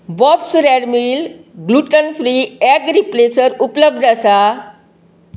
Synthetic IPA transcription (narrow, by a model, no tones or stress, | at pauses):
bɔpsɾɛɖmilɡluːʈənfʰɾiːɛɡɾiplesəɾupləb̚d̪ʱəsa